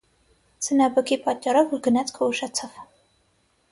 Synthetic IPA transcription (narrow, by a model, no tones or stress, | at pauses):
sənɑbəkʰipɑt̪̚t͡ʃʼːɑɾɔvuɾɡənɑt͡skʰɔuʃɑt͡sʰɑv